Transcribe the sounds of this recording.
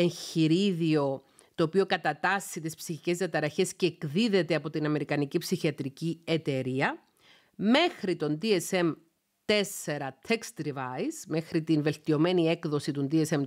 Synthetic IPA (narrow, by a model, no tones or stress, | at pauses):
e̞nçiɾiðio̞ | t̪o̞ːpio̞kɐt̪ɐt̪ɐsːit̪ispsiçice̞zðiɐt̪ɐɾɐçe̞sceːkðiðe̞t̪eɐpo̞t̪inɐme̞ɾikɐnicipsiçiɐt̪ɾicie̞t̪e̞ɾiɐ | me̞xɾit̪o̞nd̪iese̞m | t̪e̞se̞ɾɐt̪ʰekst̪ɾivɐjzme̞xɾit̪inve̞lt̪io̞me̞nie̞kðo̞sit̪und̪iese̞m